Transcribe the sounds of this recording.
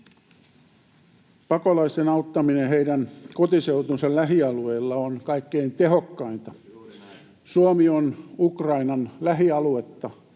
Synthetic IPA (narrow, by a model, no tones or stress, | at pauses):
pɑkolɑist̪enɑut̪ːɑmineheidænkot̪iseut̪unsellæɦiɑlueilːɑonkɑikːeint̪ehokːɑint̪ɑ | suomionukrɑinɑnlæɦiɑluet̪ːɑ